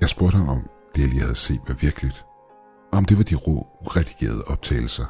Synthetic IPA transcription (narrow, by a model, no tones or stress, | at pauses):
jɑsb̥oɐd̥hɑ̈mɒ̽md̥e̝jælḭːhæð̞̩ˠse̝̰ːd̥ʋɑ̈ʋiɐɡ̥əlid̥ | ɒɒ̽md̥e̝ʋɑ̈d̥iʁo̰uʁɛd̥iɡ̥e̝̰ːɐð̞ˠəʔɒ̽b̥̚t͡sʰɛ̰ːɪl̩sɐ